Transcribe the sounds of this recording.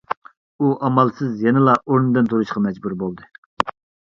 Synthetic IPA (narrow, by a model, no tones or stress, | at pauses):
uʔɑmɑlˠsɨzjɛnɪlˠɑʔoɾnɨd̪ɨnt̪ʰoɾuʃqʰɑmɛd͡ʒbuɾbolˠd̪ɨ